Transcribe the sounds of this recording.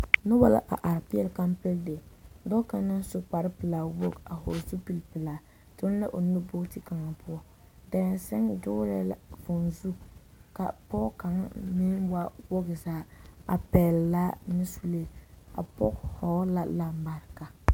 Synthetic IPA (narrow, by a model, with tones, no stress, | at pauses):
nʊ˦ba˦la̰˦ʔa̰˨ʔa˨ɾpɪ˦ɛ˨lka˦mpɛ˦lde˨dɔ˦ka˨na˦n˦sʊ˦k͡pa˨ɾɪ˦pɨ˨laː˨wo˦ɡa˨ɦo̰˨zu˦pi˨lpɨ˨laː˨ | tʊ˦n˦la˦ʔo˨nʊ˦bo˦kti˦ka˨ŋa˨pʰʊ˦ɔ˦ | da˨ɾɛ˨nsɛ˦ŋ˦dʊ˦lɛ˦la̰˨fo˨nzu˦ | ka̰˨pɔ˦ka˨ŋ˦nɪ˦nwa˦wo˦ɡzaː˨˦a̰˨pɛ˨lla˦nɪ˦su˨le˦a̰˨pɔ˦khɔ˨˦la˦la˦m˦ba˨ɾka˨